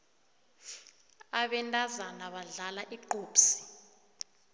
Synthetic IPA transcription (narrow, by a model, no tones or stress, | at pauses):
aɓɛntʼazanaɓaɮalaʔiǃoːpsi̥